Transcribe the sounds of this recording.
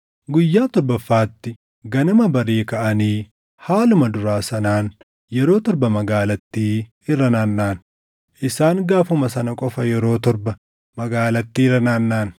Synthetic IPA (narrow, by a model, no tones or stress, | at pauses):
ɡʊjːaːt̪ɔɾbɐfːaːt̪ːɪ | ɡɐnʊmɐbɐɾiːkɐʔɐniː | haːlʊmɐd̪ʊɾaːsɐnaːn | jɛɾo̞ːt̪ɔɾbɐmɐɡaːlɐt̪ːiː | ɪrːɐnaːnːaːn | ʔɪsaːŋɡaːfʊmɐsɐnɐkʼɔfɐjɛɾo̞ːt̪ɔɾbɐ | mɐɡaːlɐt̪ːiːrɐnaːnːaːn